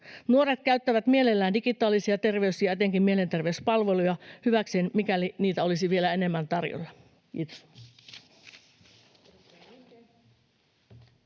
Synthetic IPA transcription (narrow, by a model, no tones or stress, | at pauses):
nuo̞ɾet̪̚kæyɥt̪ːæʋæt̪mie̞lelːæːndiɡit̪ˑɑːlisiɑt̪e̞rʋe̞ysiɑet̪eŋkimmie̞le̞nt̪e̞rʋespɑlʋe̞lujɑhyʋækseːnmikæliniːt̪æo̞lisiʋielæe̞ne̞mːænt̪ɑrjo̰lːɑ | it̪s